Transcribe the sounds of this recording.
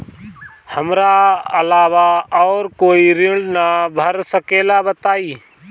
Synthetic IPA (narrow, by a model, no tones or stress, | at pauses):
həmɾaəlaːʋaɔːɾkoːiɾɪ̃ɖnabʱəɾsəkeːlabət̪aːiː